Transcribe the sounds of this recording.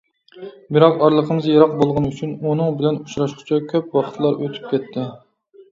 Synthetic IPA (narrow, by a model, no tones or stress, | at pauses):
bɪɾɑqɑɾlˠəqʰəmɨzjeɾɑq̚bolˠʁənyt͡ʃʰynunɨŋbɪlɛnut͡ʃɾɑʃqʰʊ̥t͡ʃʰɑkʲʰøpwɑχə̥t̪ʰlˠɑɾøt̪ʰy̥p̚kʲʰɛt̪ʰːɪ